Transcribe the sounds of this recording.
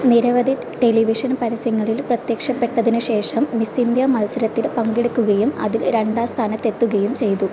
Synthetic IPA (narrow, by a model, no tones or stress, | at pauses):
niɾɐʋɐd̪ʱi | ʈe̞liʋiʂɐnpɐɾɐsjɐŋːɐɭilprɐt̪jɐkʂɐpːe̞ʈːɐðinuɕe̞ːʂɐmːisind̪jɐmɐlsɐɾɐt̪ːilpɐŋɡiɽukːuɣɐjumɐ̰ðilɾe̞ɳɖaːst̪ʰaːnɐt̪ːe̞t̪ːuɣɐjumt͡ɕe̞jt̪u